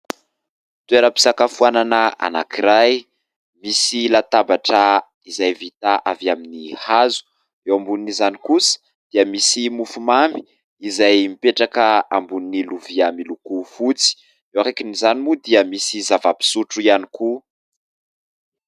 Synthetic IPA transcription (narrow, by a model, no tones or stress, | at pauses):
t̪weɾəpi̥sakafuananəa̰na̰kiɾaj | misilat̪abaʈ͡ʂə | izajvit̪aʔavaminihazu̥ | ewambuninizanikusə̥ | d̪̥iəmisimufumambi̥ | izajmipeʈ͡ʂakəambuniniluviamilukufut͡si̥ | ewaɾekinizanimud̪iəmisizavapi̥suʈ͡ʂuianiku